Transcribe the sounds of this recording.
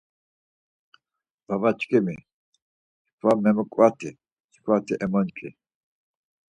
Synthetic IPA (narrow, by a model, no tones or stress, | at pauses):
b̥abat͡ʃʼkʼimi | kʰwamɛməkʼwat̪ʰi̥ | kʰwat̪ʰiʔɛmɔnt͡ʃʼḭ